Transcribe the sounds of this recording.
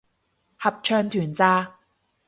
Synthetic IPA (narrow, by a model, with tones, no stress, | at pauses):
hɐ˨p̚t͡ʃʰœː˧ŋt̪ʰyː˨˩nt͡saː˧